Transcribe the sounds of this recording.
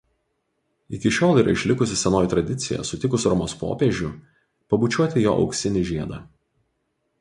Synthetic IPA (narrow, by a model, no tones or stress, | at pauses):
ɪkʲɪʃʲoːlˠiːˑɾɐ̰ɪʃʲlʲɪkʊsʲɪsʲɛnoːjt̪ɾɐd̪ʲɪt̪sʲɪjɛ̰sʊt̪ʲɪkʊsʲɾɔmoːspo̰ːpʲeːʒʲʊ | pɐbuˑt͡ʃʲuɔt̪ʲɪjo̰ːʔɒ̰ʊksʲɪnʲɪʒʲiɛd̪ɑː